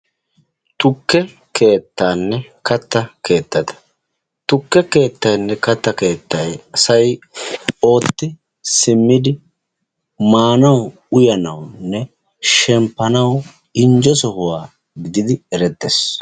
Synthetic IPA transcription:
t̪ʊkːɛ | kʰe̞ːt̪ːaːnːɛkɐt̪ːɐkʰe̞ːt̪ːɐd̪ɐ̥ | t̪ʊkːɛke̞ːt̪ːɐjnːɛkɐt̪ːɐke̞ːt̪ːɐjɐsɐj | o̞ːt̪ːɪ | sɪmːɪd̪ɪ | maːnɐw | ʊjɐnɐwnːɛ | ʃɛmpːɐnɐw | ɪnd͡ʒɔsɔhʊwaː | ɡɪd̪ɪd̪ɪɛɾɛt̪ːes

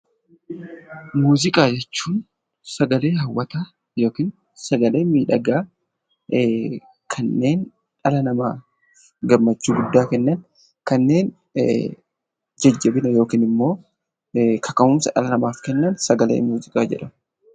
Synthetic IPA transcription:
muːzɪkʼaːd͡ʒɛt͡ʃːuːn | sɐɡɐle̞ːɦɐwːɐt̪aː | jo̞ːkiːn | sɐɡɐle̞ːmiːᶑɐɡaː | kʰɐnːeːn | ᶑɐlɐnɐmaː | ɡɐmːɐt͡ʃːuːɡʊd̪ːaːkɛnːɐn | kɐnːe̞ːn | d͡ʒɐd͡ʒːɐbɪnɐjo̞ːkiːnɪmːo̞ː | kʰɐkʼɐmʊmsɐᶑɐ̰lɐnɐmaːfkɛnːɐnsɐɡɐlḛːmuːzɪkʼaːd͡ʒɛ̰ᶑɐmʊ

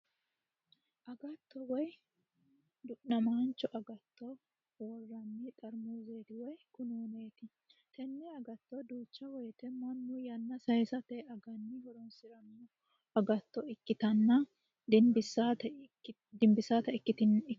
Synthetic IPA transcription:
ʔɐɡɐt̪ːɔwɔj | d̪ʊʔnɐmaːnt͡ʃːɔʔɐɡɐt̪ːɔ | woːrːɐmːɪt̪ʼɐɾmuːzeːd̪ɪwɔjkʊnuːneːt̪ɪ | t̪ɛnːɛɐɡɐt̪ːɔd̪uːt͡ʃːɐwɔjt̪ɛmɐnːʊjɐnːɐsɐjsɐt̪ɛɐɡɐnːɪhɔɾɔnsɪɾɐmːʊ | ɐɡɐt̪ːɔɪkːɪt̪ɐnːɐ | d̪ɪmbɪsːat̪ɐ | d̪ɪmbɪsaːt̪ɐɪkːɪt̪ɪn

